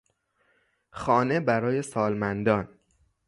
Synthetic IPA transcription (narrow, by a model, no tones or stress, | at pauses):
xɒːne̞bæɾɒːje̞sɒːlmænd̪ɒːn